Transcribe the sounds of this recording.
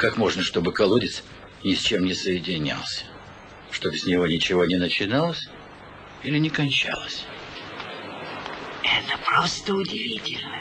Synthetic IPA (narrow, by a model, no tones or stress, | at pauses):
kakmo̞ʐnəʂt̪o̞bɨkɐlˠudʲɪt̪s | nʲɪsʲt͡ɕe̞mnʲɪsəjɪdʲɪnʲa̰lˠsʲə̥ | ʂt̪o̞bsʲnʲɪvo̞nʲɪt͡ɕɪvo̞nʲɪnət͡ɕɪnalˠəsʲ | ilʲɪnʲɪkɐnʲt͡ɕa̰lˠəsʲ | ɛt̪əpɾost̪əʊdʲɪvʲitʲɪlʲnə